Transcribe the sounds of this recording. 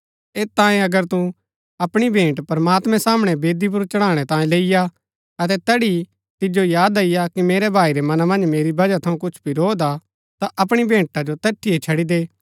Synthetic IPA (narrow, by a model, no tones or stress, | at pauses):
eːt̪ãːẽɐɡəɾt̪u | ɐpɽ̃ibʱẽːʈpɾɐmaːt̪mɛ̃saːmɽ̃ɛbeːd̪ip̬ʊɾt͡ʃɐɽ̃ãːɽ̃ɛt̪ãːjĩleːɪja | ɐt̪̬ɛt̪ɐɽi | t̪ɪd͡ʒojaːd̪ɐɪjakimeːɾɛbʱaːiɾɛmɐnamɐ̃nd͡ʒmeːɾibɐd͡ʒat̪ʰɐũkʊt͡ʃʰbiɾoːd̪a | t̪aʔɐpɽ̃ibʱẽːʈad͡ʒot̪ɛʈʰːiet͡ʃʰɐɽid̪eː